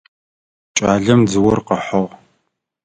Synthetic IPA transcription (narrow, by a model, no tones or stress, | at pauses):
t͡ʃʼaːɮɐmd͡zɨwʊrqəħɔʁ